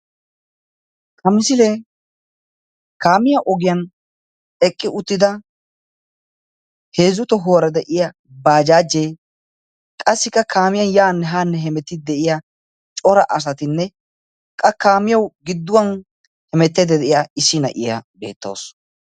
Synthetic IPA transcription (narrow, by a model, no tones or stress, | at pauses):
kʰɐmɪsɪleː | kaːmɪjɐʔɔɡɪjɐn | ɛkʼːɪʔʊt̪ːɪd̪ɐ | he̞ːzʊt̪ɔɦoːɾɐd̪ɛʔɪja | baːd͡ʒaːd͡ʒːeː | kʼɐsːɪkːɐkʰaːmɪjɐnjaːnːɛɦaːnːɛɦɛmɛt̪ːɪd̪ɛʔɪja | t͡ʃʼɔɾɐʔɐsɐt̪ɪnːɛ | kʼɐkaːmɪjɐwɡɪd̪ːʊwɐn | hɛmɛt̪ːed̪ɛd̪ɛʔɪjaɪsːɪnɐ̰ʔɪjɐ̰be̞̰ːt̪ːo̰ːs